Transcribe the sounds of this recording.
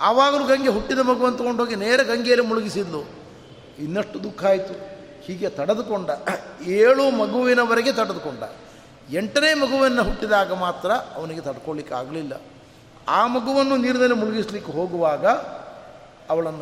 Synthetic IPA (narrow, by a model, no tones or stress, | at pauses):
ɐʋaːɡɐluɡɐŋɡeɦuʈːid̪ɐmɐɡuʋɐnːt̪ɐkɡoɳɖɦoːɡineːɾɐɡɐŋɡejɐlemuɭuɡisid̪ːu | inːɐʂʈud̪ukʰːaːjit̪u | hiːɡe̞t̪ɐɽɐd̪ukoɳɖɐeːɭumɐɡuʋinɐʋɐɾɐɡet̪ɐɽɐd̪ukoɳɖɐ̰ | eɳʈɐneːmɐɡuʋɐnːɐɦuʈːid̪aːɡɐmaːt̪ɾɐɐʋɐniɡe̞t̪ɐɽɐkoɭlikːa̰ːɡɐlilːɐ̰ | aːmɐɡuʋɐnːuniːɾnɐnemuɭuɡisɐlikːeɦo̞ːɡuʋaːɡɐ | ɐʋɐɭɐnːu